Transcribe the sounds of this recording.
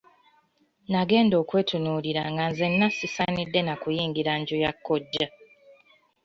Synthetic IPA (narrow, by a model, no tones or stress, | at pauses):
naɡe̞ːndo̞ːkwe̞ːtʰunuːliɾaŋɡanze̞nːasisanidːe̞nakujiːŋɡiɾaɲɟujakʰːoɟːa